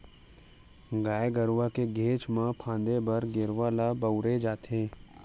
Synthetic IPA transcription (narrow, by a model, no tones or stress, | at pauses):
ɡaːeɡəɾʋakeɡʱeːt͡ʃmãpʰãːnd̪ebɐɾɡɪɾʋaːlabəʊɾed͡ʒaːt̪ʰẽː